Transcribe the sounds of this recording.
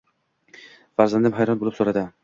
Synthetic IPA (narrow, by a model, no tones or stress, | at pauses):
faɾzand̪ɪmɦajɾɒnbolˠɪpsoɾad̪ɪ